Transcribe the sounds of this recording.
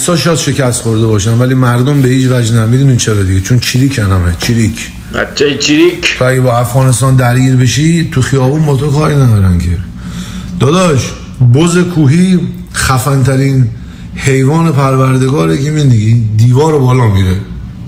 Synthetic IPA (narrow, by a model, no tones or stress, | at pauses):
sɒːʃ̬ɔjæd̪ʃe̞cʰæst̪xoɾd̪ebɒːʃænvælimæɾd̪ombehiːt͡ʃvæd͡ʒnæmid̪uːnint͡ʃʰeɾɒːd̪iɡet͡ʃʰont͡ʃʰiːɾiːcʰænæmet͡ʃʰiːɾicʰ | æ̰t͡ʃːæt͡ʃʰiɾikt̪ʰoæɡebɒːæfɣɒːne̞st̪ɒːnd̪æɾɡiːɾbe̞ʃit̪ʰuxijɒːbunbɒːt̪ʰokʰɒːɾinæd̪ɒːɾæncʰe | d̪̥ɒːd̪ɒʃ | boze̞kʰuːɦiː | χæfænt̪ʰæɾiːn | he̞jvɒːne̞pʰæɾvæɾd̪e̞ɡɒːɾekʰemind̪iɡid̪iːvɒːɾobɒːlɒːmiːɾe